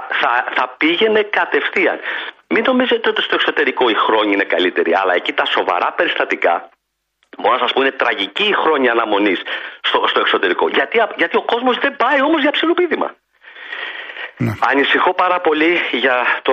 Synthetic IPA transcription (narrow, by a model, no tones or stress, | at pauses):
θɐθɐpiʝe̞ne̞kɐt̪e̞fθiɐ̰nmino̞mize̞t̪eo̞t̪ist̪o̞ekso̞t̪e̞ɾiko̞ixɾo̞ɲiine̞kɐlit̪e̞ɾiɐ̰lɐe̞cit̪ɐso̞vɐ̰ɾɐpe̞ɾist̪ɐt̪ikɐ̰ | bo̞ɾonɐsɐspoine̞t̪ɾɐʝiciːxɾo̞ɲɐːnɐmo̞nisst̪ost̪o̞ekso̞t̪e̞ɾiko̞̰ʝɐt̪iɐʝɐt̪io̞ko̞zmozðe̞bɐio̞mo̞zʝɐpsilopiðimɐ̰ | ɐnisixo̞pɐɾɐpo̞liʝɐt̪o